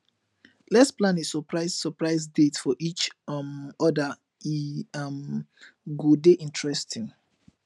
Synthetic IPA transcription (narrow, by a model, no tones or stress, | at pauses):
lɛtsplãnesɔpɹaɪssɔpɹaɪsdetfɔʔit͡ʃmɔdə | m | ɡodeʔĩntɹɛstĩŋ